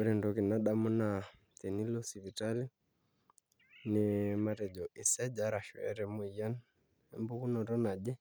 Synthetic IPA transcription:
uɾɛ˨ndɔki˨na˦ɗa˦mu˦na | t̪ɛ˨ni˦lɔ˦si˨vi˨tali˦ | nimatɛ˨d͡ʒɔʔi˨sɛ˦d͡ʒaɾa˨ʃw̰ɛ̰ɾɛ˨muija˦n | ɛmbu˦ku˦nɔɾɔ˦na˨ʄɛ˦

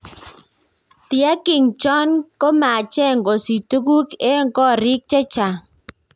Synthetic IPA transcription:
tɪ˨a˦kɪ˨ŋt͡ʃɔ˦nko˦ma˨t͡ʃɛ˦˨ŋɡɔ˨si˨tu˦ku˦kɛ˦ŋkɔ˦˨ɾɪ˦k̚t͡ʃɛ˦t͡ʃa˨

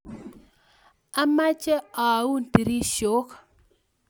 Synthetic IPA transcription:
a˦ma˦t͡ʃe˦a˨wu˦n˨ti˨ɾi˦ʃo˨˦ka˨

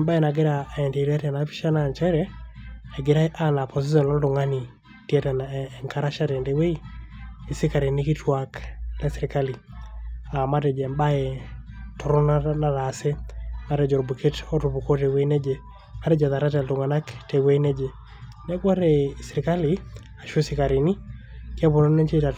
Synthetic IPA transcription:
ɛmba˦e˨na˨ɡe˦ɾaɛ˨nde˨ɾa˦tɛ˨napi̥˦ʃa˦nant͡ʃɛ˦ɾɛ | ɛ˨ɡe˨ɾa˦ʔana˨pʰɔs̬i˦s̬ɔ˨nɔ˦ldo˨ŋa˦ni˨ | tjɛ˦tɛ˨naɛŋka˦ɾa˦ʃa˦tɛnde˨we˦i˦i˨si˦ka˨ɾe˨nɪ˦ki˦twaklɛ˦siɾi˨ka˦li˨ | a˨ma˦tɛ˨d͡ʒɛmba˦ɛ | tɔ˨ɾɔ˦nana˦ɾase˦ma˦ɾɛ˨d͡ʒɔ˨ɾbu˨kʰe˦tɔ˦tu˨bu˨ko˦tɛ˨we˦nɛ˦d͡ʒe˨ | ma˦ɾɛ˦d͡ʒɛ˨ða˨ɾa˦tɛ˨ldʊ˨ŋa˨na˦ktɛ˨we˦i˦nɛ˦d͡ʒe˨ | nɛ˦kwa˦ɾɛsiɾɪ˨ka˦li | a˨ʃo˦sɪ˦ka˨ɾi˨ni˦ | kjɛ˦βo˨nɔ˦nɛ˦nt͡ʃe˦ta˨

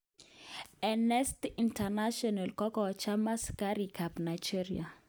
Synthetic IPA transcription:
ɛnɛ˦stintʰana˦ʃɔna˨lkɔ˦kɔ˨t͡ʃa˦ma˦ska˦ɾikʰa˨pna˨jd͡ʒi˦ɾia˨

